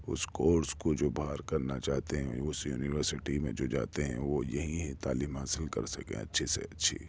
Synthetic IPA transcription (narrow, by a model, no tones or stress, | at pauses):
ʊ̰skoːɾskod͡ʒoːbʱaːɾkɐɾnat͡ʃaːɦt̪eɦɛ̰̃ʊsjṵːnɪʋəɾsɪʈimḛ̃d͡ʒoːd͡ʒa̰ːt̪eɦɛ̰̃ʋojɐɦĩɦt̪aːliːmɦaːsɪlkɐ̰ɾsɐkḛ̃ɐ̰tːʃʰisḛɐtːʃʰḭː